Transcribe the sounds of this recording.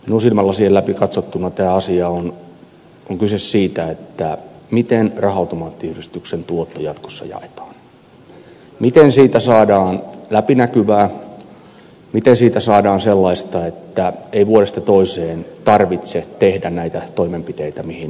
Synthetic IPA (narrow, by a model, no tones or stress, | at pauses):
minusilmɑlːɑsiːhelæpikɑt̪sot̪ːunɑt̪æːɑsiɑon | oŋkysessiːt̪æet̪ːæmit̪enrɑhɑut̪omɑːt̪ːiyhrist̪yksent̪uot̪ːojɑt̪ko̥sːɑ̰jɑ̰et̪ɑ̥ːn | mit̪ensiːt̪æsɑːdɑːnlæpinækyʋæː | mit̪ensiːt̪æsɑːdɑːnselːɑist̪ɑet̪ːæeiʋuoɾest̪ɑt̪oiseːnt̪ɑrʋit̪set̪ehdænnæit̪æt̪oimempit̪eit̪æmihin